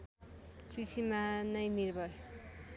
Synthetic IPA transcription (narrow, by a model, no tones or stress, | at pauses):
kit͡sʰimanʌjnirbʱʌr